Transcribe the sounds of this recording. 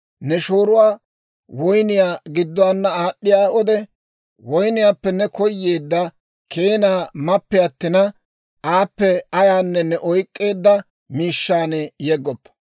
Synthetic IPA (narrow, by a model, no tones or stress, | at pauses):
nɛʃo̞ːɾʊwaː | wɔjnɪjaːɡɪd̪ːɔwaːnːɐaːɗːɪjaːɔd̪ɛ | wɔjnɪjaːpːɛnɛkɔjːe̞ːd̪ːɐ | kʰeːnaːmɐpːɛɐt̪ːɪnɐ | ʔaːpːɛɐjaːnːɛnɛʔɔjkʼːe̞ːd̪ːɐ | miːʃːaːnɛjɛɡːɔpːɐ̥